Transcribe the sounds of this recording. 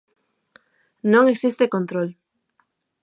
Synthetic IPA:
nõŋeksist̪ekõnt̪ɾol

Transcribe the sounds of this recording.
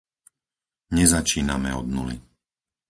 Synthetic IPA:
ɲɛzat͡ʃiːnamɛɔd̪nulḭ

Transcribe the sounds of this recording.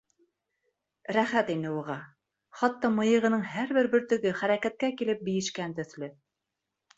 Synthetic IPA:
ɾæχæt̪inɘuʁɑ | χɑt̪ːɑmɤ̆jɤ̆ʁɤ̆nɤɴhæɾβɘɾbɵ̆ɾt̪ɵ̆ɡɵχæɾækæt̪̚kækilɘp̚bĭjɘ̆ʃkænt̪ɵ̆θlɵ

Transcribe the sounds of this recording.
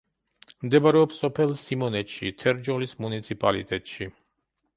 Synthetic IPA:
md̪ɛbaɾɛɔpsɔpʰɛlˠsimɔnɛt̪ʃḭt̪ʰɛɾd͡ʒɔlismunit̪sʰipʼalḭt̪ʼɛt̪ʼʃi

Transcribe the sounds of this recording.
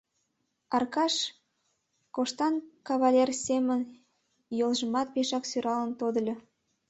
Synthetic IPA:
ɑrkɑʃ | koʃt̪ɑnkɑβɑlʲersemən | jolʒə̆mɑt̪̚peʃɑksyɾɑlə̆nt̪od̪ə̆lʲɤ̆

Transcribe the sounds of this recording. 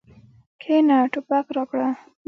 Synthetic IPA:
kʰenaʈʊpakɾɑkɽa

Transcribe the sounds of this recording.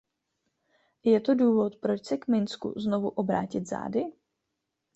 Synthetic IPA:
jɛt̪o̞duːvo̞t̪pɾo̞t͡ʃsɛkmɪnskṵzno̞vuʔo̞bɾa̰ːcɪt̪za̰ːdɪ

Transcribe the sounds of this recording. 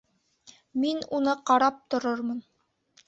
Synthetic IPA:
minunɤqɑɾɑp̚t̪ŏɾoɾmɤn

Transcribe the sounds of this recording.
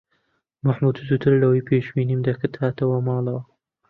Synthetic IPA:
maħmut̪ʰut̪ut̪ʰɨɾlɐwɐjpʰeːʃwiːniːmd̪ɐkɨt̪haːt̪ɐwɐmɑːlˠɐwɐ

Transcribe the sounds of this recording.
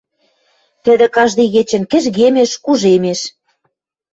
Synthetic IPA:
t̪ɘ̆d̪ĕkɑʒd̪iɣet͡ɕɘ̆nkɘ̆ʒɣemeʃkuʒemeʃ

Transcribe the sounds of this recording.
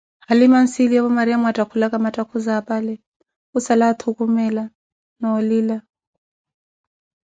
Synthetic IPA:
halimansiliaβɔmaɾiamwatʼakʰulakʼamatʼakʰuzaːpʼalɛ | usalat̪ʰukʼumɛla | nɔːliːla

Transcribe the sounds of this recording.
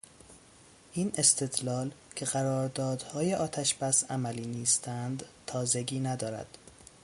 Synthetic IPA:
ʔiːne̞st̪ʰe̞d̪lɒːlcʰe̞ɣæɾɒːɾd̪ɒːd̪̥hɒːjeʔɒːt̪ʰæʃb̥æsæmæliːniːst̪ʰænd̪t̪ʰɒːze̞ɟiːnæd̪ɒːɾæ̰d̪̥

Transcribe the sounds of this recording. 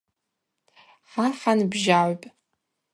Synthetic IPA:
aħanbʒaʕʷpʼ

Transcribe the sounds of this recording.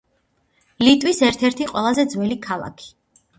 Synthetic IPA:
lit̪ʼwisɛɾt̪ʰɛɾt̪ʰiqʼwɛlˠazɛd̪zwɛlikʰalˠa̰kʰi̥

